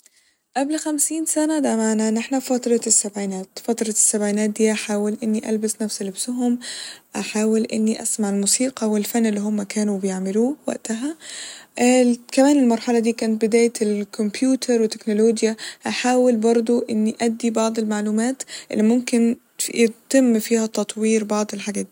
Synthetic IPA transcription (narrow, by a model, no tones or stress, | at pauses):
ʔablxamsiːnsanad̪amaːnanʔɪħnafɑt̪ɾˤɑsːabʕiːnaːt̪fat̪ɾˤɑsːabʕiːnaːt̪̚d̪iːʔaħaːwɪlʔɪnːiʔa̰lbɪsnafslɪbsʊɦʊmʔaħaːwɪlʔɪ̰nːiʔa̰smaʕɪlmuːsiːqɑwɪlfanːɪlːiːɦʊmːakaːnubɪjɪʕmɪluːwa̰ʔt̪aɦaʔkæmæːnɪlmɑɾˤħɑlɑd̪iːkæːnɪt̪̚bɪd̪æːjlkʰompjuːt̪ʰɑɾˤwɪt̪ːe̥knoloːɡjaʔaħaːwɪlbɑɾˤd̪ˤoʔɪnːiʔæd̪ːibɑʕd̪ˤelmaʕluːmaːt̪ʔɪ̰lːimʊmkɪn | jt̪ɪmːfiːhæt̪ɑt̪ˤwiːɾbɑʕd̪ˤɪlħaɡæːt̪i